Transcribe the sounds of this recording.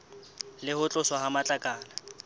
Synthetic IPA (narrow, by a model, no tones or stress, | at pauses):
lɪhʊt͡ɬʼʊswahamat͡ɬʼakʼaːla